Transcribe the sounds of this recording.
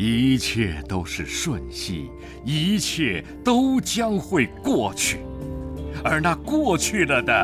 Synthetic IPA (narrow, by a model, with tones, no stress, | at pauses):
i˧˥t͡ɕʰjɛ˥˩t̪o˥ʊʂɻ̩˥˩ʂwə˥˧nɕḭ˥˩ | i˧˥t͡ɕʰjɛ˥˩ | t̪o˥ʊt͡ɕjɑ˥ŋxwe˥˧ɪkwɔ˥˩t͡ɕʰy˥˩ | ə˞˧˥na˥˧kwɔ˥˧t͡ɕʰy˥˩lə˩d̪ə˨